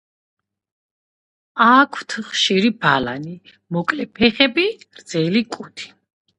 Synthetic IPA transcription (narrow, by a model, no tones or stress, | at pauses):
akʰw̥t̪ʰχʃiɾibalani | mɔkʼlɛpʰɛχɛbiɾd̪zɛlikʼut̪ʰi̥